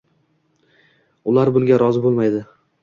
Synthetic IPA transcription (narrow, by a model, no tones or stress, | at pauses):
ʊlaɾbʊlˠɡʲaɾɒzɪbolˠmajd̪ɪ